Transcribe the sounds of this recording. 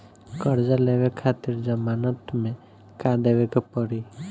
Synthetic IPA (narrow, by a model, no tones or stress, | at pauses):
kɔɾd͡ʒaleʋekʰat̪iɾd͡ʒəmanɔt̪mẽ | kad̪eʋekɔpɔɾi